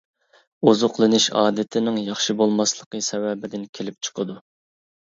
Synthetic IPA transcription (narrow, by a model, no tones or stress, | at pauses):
ozʊqlˠɨnɨʃɑ̰ːd̪ɪt̪ʰɪnɪŋjɑχʃibolˠmɑslˠəqəsɛwɛbɪd̪ɪnkʲʰelɪp̚t͡ʃʰə̥qʰəd̪u